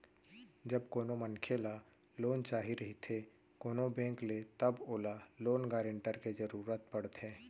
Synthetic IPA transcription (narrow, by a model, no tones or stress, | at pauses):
d͡ʒɐbkoːnomənkʰela | loːnt͡ʃaːɦiɾɐɦit̪ʰe | koːnobɛ̃ːŋklet̪əboːlaloːnɡaːɾə̃ɳʈəɾked͡ʒəɾuːɾət̪̚pɐɽt̪ɦɛ̃ː